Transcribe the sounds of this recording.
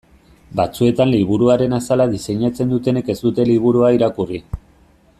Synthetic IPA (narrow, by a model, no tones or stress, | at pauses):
bat͡sue̞t̪anliβ̞uɾuaɾe̞nasalaðise̞ɲat͡se̞nd̪ut̪e̞ne̞ke̞zd̪ut̪e̞liβ̞uɾuaiɾakuri